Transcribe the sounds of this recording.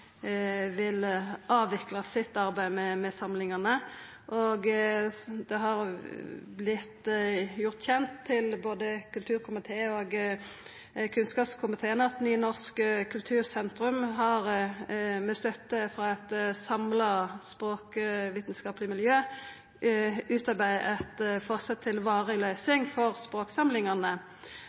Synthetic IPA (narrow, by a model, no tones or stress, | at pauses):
ʋɪlʔɑːʋɪklɑsɪt̪ːɑʁbæɪmɛmɛsɑmlɪŋɑnə | ʔɔɡ | d̪ɛɦɑʁ | blɪt̪ːjʊʁt̪çɛnt̪ʰːɪlboːd̪əkʰʉlt̪ʰʉːʁkʰʊmɪt̪ʰeːoːɡ | kʰʉnskɑːpskʰʊmɪt̪ʰeːənəɑt̪nyːnɔʁskəkʰʉlt̪ʰʉːʁsɛnt̪ɾʉmɦɑʁ | mɛst̪œt̪ːəfʁɑːɛt̪sɑmlɑspʁoːkʋiːt̪nskɑːplɪmɪljøː | ʉːt̪ɑbæɪʔɛt̪fɔʁsɛt̪ʰːɪlʋɑːʁəlœʏsɪŋfɔʁspʁoːksɑmlɪŋɑnə